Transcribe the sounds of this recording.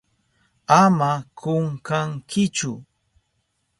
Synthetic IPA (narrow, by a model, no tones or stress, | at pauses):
amakʊŋkaŋkɪt͡ʃʊ̰